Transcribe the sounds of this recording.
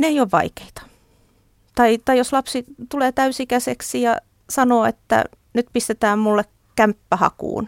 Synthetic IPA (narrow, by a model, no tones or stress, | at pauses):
neijoːʋʋɑ̰ike̥it̪ɑ̥ | t̪ɑit̪ɑijoslɑpsit̪uleːt̪æysikæseksijɑ | sɑnoːḛt̪ːæ̰ | nyt̪pist̪et̪æːmmulːek | kæmpːæhɑ̰kṵːn